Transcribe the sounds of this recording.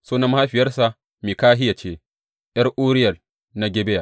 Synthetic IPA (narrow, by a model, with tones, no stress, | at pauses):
soː˦nɐ˦m˦ha˦ɸɪ˨jɐ˦rsa˨ | miː˨kaː˦ɦɪ˦ja˨t͡ʃeː˦ | ʔjɐ˦rʔuː˦ɾɪ˦jɐ˨l | na˦ɡʲe˦be˦ja˨